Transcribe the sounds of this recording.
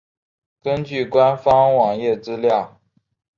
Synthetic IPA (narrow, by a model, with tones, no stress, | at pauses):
kə˥nt͡ɕy˥˩kwa˥nfɑ˥ŋwɑ˨˩ŋjɛ˥˩t͡sɹ̩˥ljɑ˥˩ʊ